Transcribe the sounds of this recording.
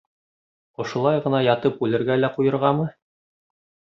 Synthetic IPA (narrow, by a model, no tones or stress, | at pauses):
ŏʃŏlˠɑjʁɤ̆nɑjɑt̪ɤpʉlɘ̆ɾɡælæqujɤ̆ɾʁɑmɤ